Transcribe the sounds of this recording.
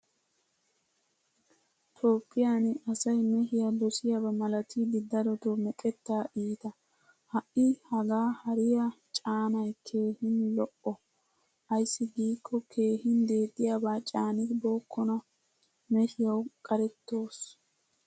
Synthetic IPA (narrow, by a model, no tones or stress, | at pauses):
t̪ʰoːpʰːɪjaːnɐsɐjmɛhɪjad̪ɔsɪjaːbɐmɐlɐt̪ʰid̪ɪd̪ːɐɾɔt̪omɛkʼɛt̪ːaːʔiːt̪ɐ | hɐʔɪhɐɡaːhɐɾɪjat͡ʃʼaːnɐjkʰe̞ːhɪnlɔʔɔ | ʔɐjsːɪɡiːkːɔkʰe̞ːhɪnd̪e̞ːt̪ʼːɪjaːbaːt͡ʃʼaːnɪboːkːɔnɐ | mɛhɪjɐwkʼɐɾɛt̪ːo̞ːs